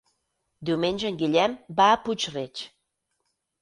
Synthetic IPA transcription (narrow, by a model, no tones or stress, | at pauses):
d̪umenʲʒə̆nɡilʲæmbaput͡ɕret͡ɕ